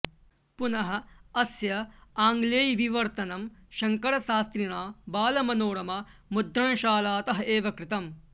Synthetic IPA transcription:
punɐɦɐ̆ɐsjɐaːŋɡleːjʋiʋɐɾt̪ɐnɐmʃɐŋkɐɽɐʃaːst̪ɾiɳaːbaːlɐmɐnoːɽɐmɐmud̪ɾɐɳɐʃaːlaːt̪ɐɦɐeːʋɐkɾɪt̪ɐm

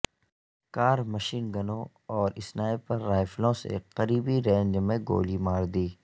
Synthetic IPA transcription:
kaːɾmɐʃiːnɡɐnõ | ɔːɾɪsnaːepɐɾːaːɪflõsḛqɐɾiːbiɾẽːɲd͡ʒmẽɡo̰ːlimaːɾd̪iː

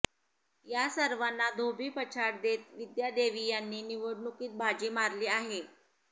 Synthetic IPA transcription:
jasəɾʋanːad̪ʱobʱiːpət͡ɕʰaɽd̪et̪ʋid̪jad̪eʋijanːiːniʋəɽɳukiːt̪̚bʱad͡ʑiːmaɾliːaɦe

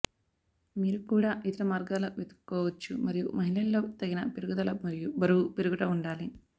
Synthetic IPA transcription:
miːɾukuːɽaːʔit̪ɐɾɐmaːɾɡaːlɐʋid̪ɐkːɔːʋɐt͡ʃːumɐɾijṵmɐɦilɐllo̞ːt̪ɐɡinɐpiɾuɡud̪ɐlɐɐubɐɾuupiɾuɡuʈɐuɳɖaːli

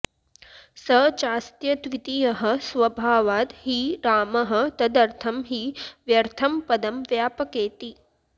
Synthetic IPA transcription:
sɐt͡ʃaːst̪jɐt̪ʋit̪ijɐɦɐ̆sʋɐbʱaːʋaːt̪hiɾaːmɐɦɐ̆t̪ɐd̪ɐɾt̪ʰɐmɦiːʋjɐɾt̪ʰɐmpɐd̪ɐmʋjaːpɐkeːt̪i

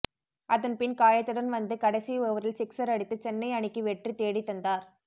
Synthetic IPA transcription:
ʔɐðɐnpɪnkaːjɐt̪ːɯɽɐnʋɐnd̪ɯkɐɽɐsijɔʋɐɾɪlsɪksɐɾɐɽɪt̪ːɯt͡ʃɛnːɐɪɐɳɪkːɯʋɛʈrit̪eːɽit̪ːɐnd̪aːɾ

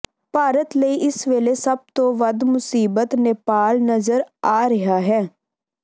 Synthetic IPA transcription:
paːɾət̪ləiːʔɪsʋeːlesəb̚t̪õːʋəd̪mʊsiːbət̪neːpaːlnəzəɾaːɾəɦaːɦɛː

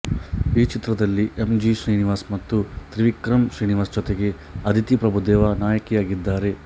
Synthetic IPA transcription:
iːt͡ʃit̪ɾɐd̪ɐlːiʔemd͡ʒiʃɾiːniʋaːsmɐt̪ːut̪ɾiʋikɾɐmʃɾiːniʋaːsd͡ʒɔt̪eɡe̞ | ɐd̪ʱit̪ipɾɐbʱud̪ɛːʋanaːjɐkijaːɡid̪ːaːɾe̞

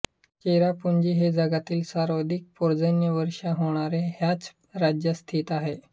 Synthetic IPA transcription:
t͡ɕeɾapuɲd͡ʑiːɦed͡zəɡat̪iːlsaɾod̪ʱik̚poɾd͡zənjəʋəɾʂaɦoɳ̃aɾeɦjat͡s | ɾad͡ʑjəst̪ʰiːt̪aɦe

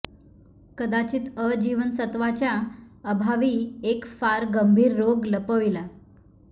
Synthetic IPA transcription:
kəd̪at͡ɕiːt̪əd͡ʑiʋənsət̪ʋat͡ɕjaəbʱaʋiːekfaɾɡəmbʱiːɾːoɡləpəʋila

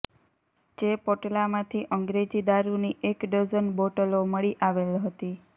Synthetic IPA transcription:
d͡ʒepoʈlamãt̪ʰiʔəŋɡɾed͡ʒid̪aɾuniʔekɖəd͡ʒənboʈəloməɭiʔaʋelɦət̪i

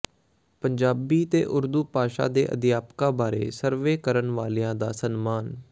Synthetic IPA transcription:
pəɲd͡ʒaːbiːt̪eːʔʊɾd̪uːpaːʃa̰ːd̪ḛːʔə̰d̪ɪjaːpkãːbaːɾḛːsəɾʋeːkəɾənʋaːlːãːd̪aːsənmaːn

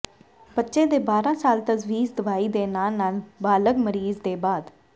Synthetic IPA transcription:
bətːʃẽːd̪eːbaːɾãːsaːlt̪əzʋiːzd̪əʋaːiːd̪eːnaːnaːlbaːləɡməɾiːzd̪eːbaːd̪

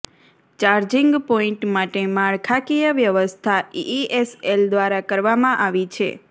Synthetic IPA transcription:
t͡ʃaɾd͡ʒiŋɡpoĩʈmaʈemaɭkʰakijəʋjəʋəst̪ʰaiʔieseld̪ʋaɾakəɾʋamãʔaʋit͡ʃʰḛ

